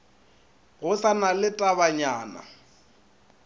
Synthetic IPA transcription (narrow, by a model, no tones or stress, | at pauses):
ɣʊɬanalɪtʼabaɲaːna̰